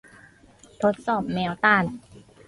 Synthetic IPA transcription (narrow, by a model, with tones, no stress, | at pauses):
t̪ʰo˦˥t̪̚sɔː˨˩p̚mɛː˨˦˥wt̪aː˧˥˩n